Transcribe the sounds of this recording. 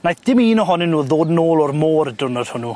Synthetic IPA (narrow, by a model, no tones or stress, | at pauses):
najθd̥ɪmiːnɔɦɔnɪnuːðoːdnoːlˠɔrmoːrdʊnɔd̥hʊnu